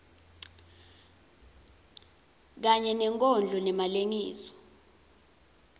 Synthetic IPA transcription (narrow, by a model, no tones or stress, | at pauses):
k̬aɲɛnɛŋkʼɔnd͡ɮʱɔnɛmaleŋiːsɔ̥